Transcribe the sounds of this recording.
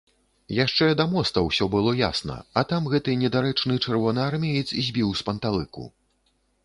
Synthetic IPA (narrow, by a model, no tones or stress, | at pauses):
jaʂt͡ʂɛd̪ɐmɔst̪ɐwsʲɔbɨlˠɔja̰snɐ̰ɐt̪amɣɛt̪ɨnʲɛd̪aɾɛt͡ʂnɨt͡ʂɛrvɔnɨarmʲɛjit̪sizʲbʲiwspɐnt̪alˠɨkṵ